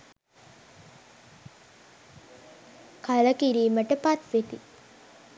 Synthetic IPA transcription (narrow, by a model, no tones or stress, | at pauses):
kaləkiɾiːməʈəpat̪ʋet̪i